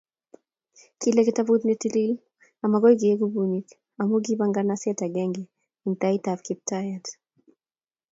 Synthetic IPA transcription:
kilɛkitavut̪nitilil | amaɡɔiɡiɛɡubuɲik | amuɡibaŋɡanasɛtaɡɛŋɡi | intaitafkip̚tajat

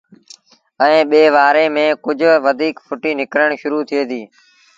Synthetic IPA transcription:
ɛẽːɓeːʋaːɾeːmẽːkʊd͡ʒʱʋəd̪ʱiːkpʰʊʈiːnɪkɾəɳʃʊɾuːt̪ʰɪeːd̪iː

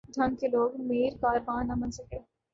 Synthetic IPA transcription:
d̪ʱɐnkeloːɡmeːɾkaːɾbãːnːɐmɐ̃nsɐkeː

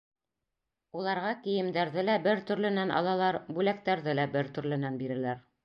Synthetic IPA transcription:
ulˠɑɾʁɑkĭjɘ̆md̪æɾðɘlæbɘɾt̪ɵ̆ɾlɘ̆nænʔɑ̰lˠɑlˠɑɾbʉlæk̚t̪æɾðɘlæbɘɾt̪ɵ̆ɾlɘ̆nænbiɾɘ̆læɾ

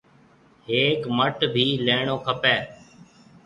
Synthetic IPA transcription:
ɦeːkməʈbʱiːleːɳoːkʰəpeː

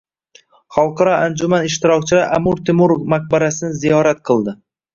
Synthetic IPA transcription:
χɑlˠqʰɑɾɒʔand͡ʒumanɪʃt̪ɪɾɒkʲt͡ʃʰɪlaɾʔamʊɾt̪ʰɪmuɾofmaq̚baɾasɪnɪzijɒɾat̪qʰɨlˠd̪ɪ

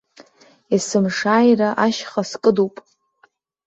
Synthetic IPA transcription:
isɨmʂaːjraʔaʃχaskʼɨdupʼ

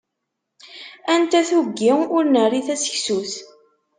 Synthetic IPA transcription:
ænt̪æθuɡːiʊɾnərːiθæsə̥çsuθ

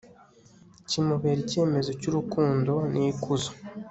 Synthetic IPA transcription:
cimuβeɾice̞ːme̞zo̞cuɾukuːndo̞nikuzo

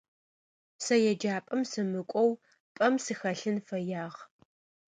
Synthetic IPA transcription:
sɐjɛd͡ʒaːpʼɐmsɨmɨkʷʼɔw | pʼɐmsɨxɐɬɨnfɐjaːʁ

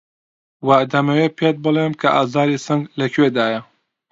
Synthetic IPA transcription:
wad̪ɐmɐweːpʰet̪̚bɨlˠemkʰɐʔa̰ːzaːɾisɐŋɡlɐkʰɥeːd̪aːjɐ

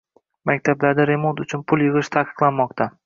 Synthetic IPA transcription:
makʲt̪ʰablaɾd̪aɾe̞mo̞nt̪ʊt͡ʃʰʊnpʰʊlˠjɨʁɨʃt̪ʰaqɨ̥qlˠanmɒq̚t̪ʰa

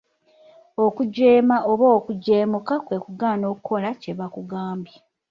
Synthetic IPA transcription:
okuɟeːmaʔoβoːkuɟe̞ːmukakwe̞kuɡaːno̞ːkuko̞lace̞βakuɡaːmbja

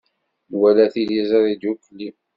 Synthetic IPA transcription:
wælæθilizɑðid̪jukːlːi

